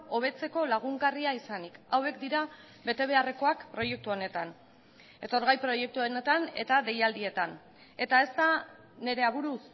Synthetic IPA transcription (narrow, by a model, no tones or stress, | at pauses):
o̞β̞e̞t͡se̞ko̞laɣ̞uŋɡariaisanikawe̞kd̪iɾa | be̞t̪e̞β̞e̞are̞ko̞akpɾo̞je̞k̚t̪uo̞ne̞t̪an | e̞t̪o̞ɾɣ̞ajpɾo̞je̞k̚t̪uonet̪ane̞̰t̪aðe̞jald̪ie̞t̪an | e̞t̪ae̞st̪a | ne̞ɾe̞aβuɾus